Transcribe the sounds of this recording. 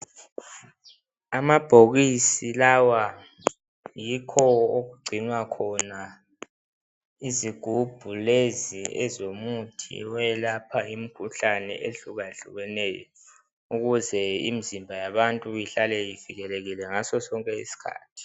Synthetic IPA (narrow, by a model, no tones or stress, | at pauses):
amab̥ʱoɣisilawa | jikʰɔoɣuɡ͡ǀʱinwakʰɔna | iziɡ̥ʱub̥ʱuleziɛzomutʰḭwɛlapʰaimikʰuɬanɛ̰ʔeɬuɣaeɬuɣɛnɛːjɔ̰ | uɣuzɛḭmizimbʱajaβantʼujiɬalɛjiviɣɛleɣilɛŋasɔsɔŋkʼɛḭsi̥kʰa̰ːtʰi̥